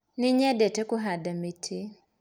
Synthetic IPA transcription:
niɲɛdɛtɛkuɦadamitʰi

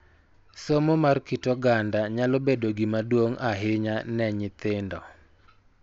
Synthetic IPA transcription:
somomarkitoɡandaɲalɔbedoɡimadwoŋaɦɪɲanɛɲɪt̪ɪndɔ̰

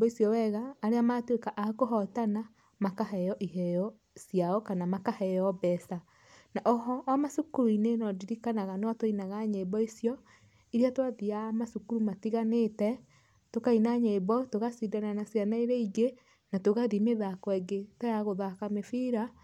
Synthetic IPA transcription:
isjɔwɛɣaːɾeamatwekaʔakoɦɔtana | makaɦɛjɔʔiɦɛjɔ | sjaɔkanamakahɛɔbɛsa | naʔɔɦɔʔːmasukuɾinenɔdiɾikanaɣanwatoinaɣaɲebɔisjɔ | iɾeatoaðiamasukuɾumatiɣanetɛ | tokainaɲeβɔtoɣasidananasjanaiɾeiɡe | natoɣaðimeðakwɛɡetojaɣoðakamefiɾa

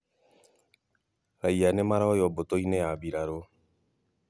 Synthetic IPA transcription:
ɾaianemaɾaojɔbotoinejabiɾaɾo

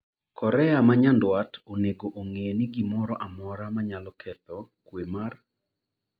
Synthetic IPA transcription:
kʰɔɾɛamaɲandwatʰoneɡoʔoŋenɪɡimɔɾɔʔamɔɾamaɲalɔkʰɛtɔkwemar

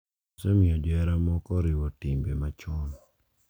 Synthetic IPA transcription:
sɛmɪɔd͡ʒɛɾamɔkɔɾɪwɔtimbemat͡ʃɔn

